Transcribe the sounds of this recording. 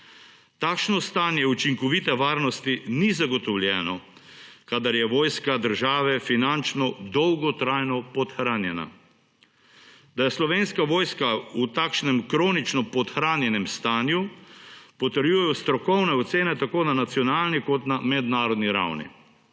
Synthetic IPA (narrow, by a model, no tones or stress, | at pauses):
t̪aːkʃnɔst̪aːnjɛut͡ʃiŋkɔʋit̪ɛʋaːɾnɔst̪inizaɡɔt̪ɔwlʲjɛːnɔ | kaːd̪aɾjɛʋoːjskad̪əɾʒaːʋɛfinant͡ʃnɔd̪ɔwɡɔt̪ɾajnɔpɔt̪xɾaːnjɛna̰ | d̪ajɛslɔʋeːnskaʋoːjskaut̪aːkʃnɛmkɾoːnit͡ʃnɔpɔt̪xɾaːnjɛnɛmst̪aːnju | pɔt̪əɾjujɛjɔst̪ɾɔkɔwnɛɔt̪seːnɛt̪akoːnanat̪sjɔnaːlnikɔt̪namɛd̪naːɾɔd̪niɾa̰wnḭ